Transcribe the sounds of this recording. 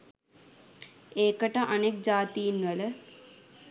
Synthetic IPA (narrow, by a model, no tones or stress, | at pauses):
eːkəʈəʔanek̚d͡ʒaːt̪ijinʋələ